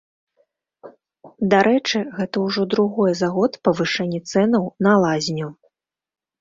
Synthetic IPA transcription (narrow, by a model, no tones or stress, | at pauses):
d̪aɾɛt͡ʂɨɣɛt̪ɐwʐɔd̪ɾuɣɔjɛzaɣɔt̪pɐvɨʂɛnʲːɛt̪sɛnɐwnɐlˠazʲnʲu